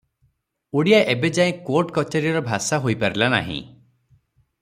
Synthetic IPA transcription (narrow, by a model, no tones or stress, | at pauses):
uɽijaʔebed͡ʒaẽkoɾʈkɔt͡ʃɔɾiɔɾɔbʱasaɦojpaɾilana̰ɦḭ̃